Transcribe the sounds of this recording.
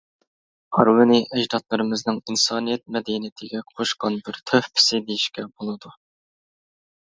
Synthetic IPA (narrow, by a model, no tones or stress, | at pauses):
ɑɾwɨniʔɛʒd̪ɑt̪lˠɨɾɨmɨznɨŋinsɑːnijɛt̪̚mɛd̪ɛnit̪ʰɪɡʲɛqʰoʃqɑnbɪɾt̪ʰøhpʰɪ̥sɪd̪ejiʃkʲɛbolˠɨd̪u